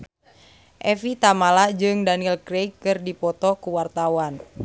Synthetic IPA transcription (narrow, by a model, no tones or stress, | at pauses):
ʔɛfit̪amalad͡ʒɨŋdanilkɾejkːɨrdipɔt̪ɔkuwart̪awan